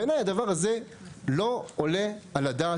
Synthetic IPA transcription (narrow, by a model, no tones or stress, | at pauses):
enajad̪avaʁaze̞lo̞ole̞alad̪a